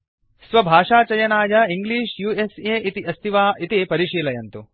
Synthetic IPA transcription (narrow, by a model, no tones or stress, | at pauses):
sʋɐbʱaːʂaːt͡ʃɐjɐnaːjɐiŋɡliːʃjuːeseːʔit̪iʔɐst̪ʰiʋaːʔit̪ipɐɾiʂiːlɐjɐnt̪u